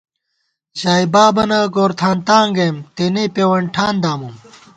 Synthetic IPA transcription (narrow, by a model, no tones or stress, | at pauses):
ʑaːibaːbɐnɐɡoːɾt̪ʰaːnt̪aːŋɡeːmt̪eːnepeːwɐɳʈʰaːnd̪aːmum